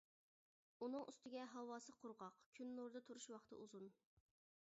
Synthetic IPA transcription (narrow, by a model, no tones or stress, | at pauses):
unɨŋʔy̰st̪ɪɡʲɛɦɑwɑːsɨqʰʊɾʁɑqkʲʰynːuɾd̪ɨt̪ʰuɾuʃwɑχt̪ʰɨ̰ʔuzun